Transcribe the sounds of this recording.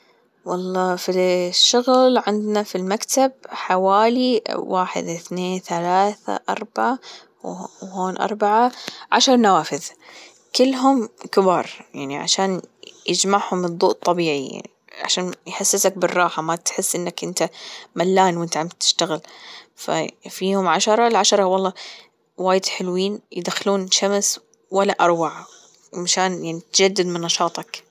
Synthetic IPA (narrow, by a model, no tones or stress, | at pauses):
wɑlˤːɑːfiʃːʊɣlʕɪnd̪nafilmakt̪ab̚ħawaːliwaːħɪ̰d̪ʔɪθneːnθalaːθa̰ʔɑ̰ɾˤbaʕa | wwhoːnʔɑ̰ɾˤbaʕaʕa̰ʃɑɾˤnawaːfɪð | kɪlːɦʊmkɪbɑːɾˤja̰ʕniʕa̰ʃaːnjɪd͡ʒmaʕhʊmɨd̪ˤːuːʔt̪ˤːɑbiːʕḭa̰ | ʕa̰ʃaːnjħasːɪsak̚bɪrˤːɑːħamat̪ħɪsːʔɪnːakʔɪnt̪amalːaːnwɪnt̪ʕamt̪ːɪ̥ʃt̪aɣɪlfa̰fioʊːmʕaʃɑɾˤɑlʕaʃɑɾˤɑwɑlˤːɑː | waːjɪd̪ħɪlwiːnjɪd̪axɪluːnʃams | walːaʔɑɾˤwaʕa | maʃaːnjaʕnit̪d͡ʒad̪ːɪd̪mɪnːɑʃɑːt̪ˤɑk